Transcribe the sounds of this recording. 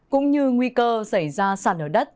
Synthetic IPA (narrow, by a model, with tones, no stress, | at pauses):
kʊ̰˧˥ŋ͡mɲɨ˧ŋwi˧kəː˧sa˧˩jzaː˧saː˧˩nʔəː˧˩ɗə˦˥t̚